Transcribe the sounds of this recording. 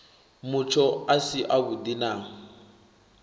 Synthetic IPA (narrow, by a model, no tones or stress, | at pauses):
mut͡ʃʰɔasiʔaβudinaːŋ̩